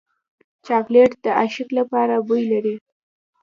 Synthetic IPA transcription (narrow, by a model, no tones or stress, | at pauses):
t͡ʃɑkleʈd̪əaʃɪklapɑɾabujlaɾi